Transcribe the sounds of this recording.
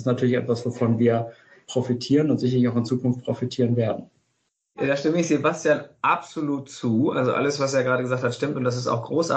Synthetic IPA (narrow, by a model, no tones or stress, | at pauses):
stnatʰyːɐlɪçʔɛ̰tv̥asv̥ofɔnviːɐ | pʁ̥ofitʰiːʁənʊntzɪçɐlɪçaʊxɪnt͡suːkʊnft̚pʁ̥ofitʰiːʁ̞ənveːɐdn̩ | daːʃtɪməɪçz̥ebastjaːnʔapz̥oluːtt͡suːʔa̰lzoʔa̰ləsv̥aseːɐɡəʁaːdəɡəzaːxkthatʃtɪmtʊntd̥as̬ɪsta̰ʊxɡ̥ʁoːsʔa̰